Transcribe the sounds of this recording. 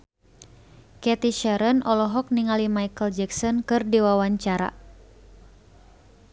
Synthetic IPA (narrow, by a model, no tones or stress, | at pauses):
kɛt̪iʃɛɾənʔɔlɔɦɔk̚niŋalimajkəld͡ʒɛksɔnkɨrdiwawaɲt͡ʃaɾa̰